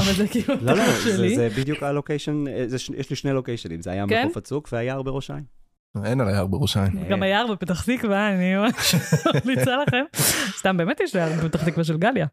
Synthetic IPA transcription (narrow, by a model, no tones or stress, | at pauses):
avalzekiːluloloʃellizebid̪jukalokejʃonzeʃjɛʃliʃnelokejʃonḭmzeajamkefat͡sukveajaʁbeʁoʃa̰jm | enalajaʁbeʁoʃajimɡamajaʁbepet̪aχt̪ikvanioeʃonit͡salaχe̞mst̪ambemet̪jeʃlajaʁbepet̪aχt̪ikvaʃ̬elɡalja